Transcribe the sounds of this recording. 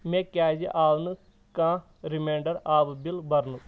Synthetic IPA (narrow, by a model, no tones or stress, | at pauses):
mẽːkaːd͡ʒeʔaːʋnɨ | kãː | ɾimẽːɳɖəɾaːʋbɪlbɐɾnu